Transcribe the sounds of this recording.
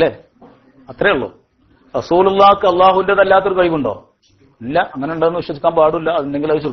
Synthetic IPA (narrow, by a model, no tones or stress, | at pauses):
ɐlːeː | ɐt̪ːrejuɭːo̰ː | rɐsuːlulˠˤːaːkːɨɐlːaːɦuʋindeðelːaːt̪ːoɾukɐɻipːuɳɖo̞̰ː | ilːɐʔɐŋːɐneuɳɖenːɨʋiɕʋɐikʲːaːnpaːɽuilːɐɐðinde̞ŋɡilɐðit͡ɕo